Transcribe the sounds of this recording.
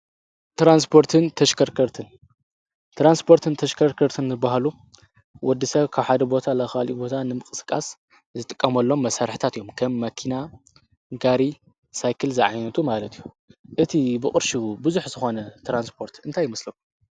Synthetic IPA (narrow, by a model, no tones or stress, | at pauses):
t̪ɾanspʰo̞ɾt̪ʰɨnt̪ʰɐʃkʰɐɾkʰɐɾt̪ʰɨn | t̪ʰɾanspʰo̞ɾt̪ʰɨnt̪ʰɐʃkʰɐɾkʰɐɾt̪ʰɨnzɨbaɦalu | wɔd̪ːɨsɐβkʰaβħad̪ɐbo̞t̪ʰalɐxalibo̞t̪ʰanɨmɨkʼɨsɨ̥kʼas | zɨt̪ʼɨkʼːɐmɐlːo̞mːɐsaɾħɨ̥t̪ʰat̪ɨjo̞mkʰɐmːɐkʰina | ɡaɾi | sajkʰɨlzɨʕa̰jnɐt̪ʰumalɐt̪ʰijːu | ʔɨt̪ʰibɨχʼɨɾʃubɨzuħzɨxo̞nɐt̪ʰɾanspʰo̞ɾt̪ɨnt̪ʰajːɪmɐslɐku